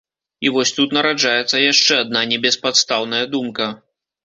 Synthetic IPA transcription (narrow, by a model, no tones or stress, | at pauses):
ivɔsʲt̪ut̪nɐɾad͡ʐajɛt̪sːɐjaʂt͡ʂɛad̪̚nanʲɛbʲɛspat̪st̪awnɐjɐd̪umkɐ